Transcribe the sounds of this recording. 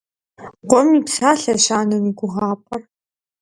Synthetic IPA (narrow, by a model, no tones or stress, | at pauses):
qʷɔmiːpsaːɬɐɕaːnɐmiːɡʷʊʁaːpʼɐr